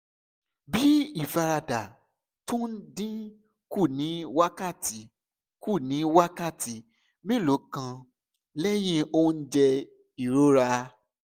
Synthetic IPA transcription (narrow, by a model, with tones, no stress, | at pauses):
bi˦i˦˨fa˧ɾa˧da˨ | tũ˦n̩˦dĩ˦ | ku˦˨nĩ˨˦wa˦ka˦˨ti˨˦ | ku˦˨nĩ˨˦wa˦ka˦˨ti˨˦ | mĩ˦˨lo˨˦kã˧ | lɛ˦j̃ĩ˧o˦n̩˦d͡ʒɛ˧ | i˨ɾo˦ɾa˧